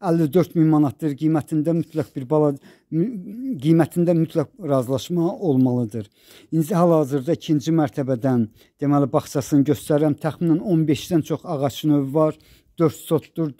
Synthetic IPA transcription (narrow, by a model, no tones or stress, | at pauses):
ælːid̪øɾt̪minmɑnɑt̪̚d̪ɯɾɡijmæt̪ʰind̪æmyt̪ʰlæk̚biɾbɑlˠ | ɡijmæt̪ʰind̪æmyt̪ʰlækɾɑzlˠɑʃmɑo̞lˠmɑlˠɯd̪ɯɾ | ind̪iɦælhɑːziɾd̪ɑicʰind͡ʒimæɾt̪ʰæbæd̪æn | d̪̥e̞mælibɑχt͡ʃʰɑsɯnɟøst̪æɾæmt̪ʰæxminæno̞nbe̞ʃd̪ænt͡ʃʰo̞χɑʁɑt͡ʃnøvvɑɾ | d̪̥øɾt̪so̞t̪d̪uɾ